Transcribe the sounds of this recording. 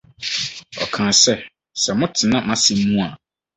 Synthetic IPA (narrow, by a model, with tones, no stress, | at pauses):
ɔ̰˨kʰãː˨sɛ˦ | sɛ˨mʊ̃˦tʰɪ˨nã˦mã˦˨sɪ˨˦mũ˦a˨